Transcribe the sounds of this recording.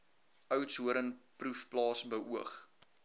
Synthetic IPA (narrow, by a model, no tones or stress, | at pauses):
œwtsɦuəɾənprufplɑːsbəʔuəχ